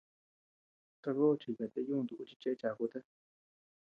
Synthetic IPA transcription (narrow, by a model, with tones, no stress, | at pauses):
t̪a˧βo˦˨˧t͡ʃi˧ka˨t̪e˦˧˦jũː˦˧nd̪u˨ʔu˧t͡ʃi̥˧t͡ʃe˦t͡ʃa˨˧ku˧˦t̪a˦